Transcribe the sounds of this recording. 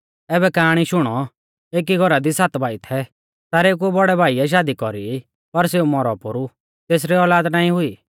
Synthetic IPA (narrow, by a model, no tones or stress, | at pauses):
ɛːbɛkaːɽ̃iʃʊɽ̃ɔ | eːk̬iɡʱɔɾad̪isaːt̪bʱaːit̪ʰɛ | t̪aɾeːk̬uɛbɔɽɛbʱaːiɛʃ̬aːd̪ikɔɾi | pɐɾseːumɔɾɔpoɾu | t̪eːs̬ɾiɔːlaːd̪naːĩɦʊiː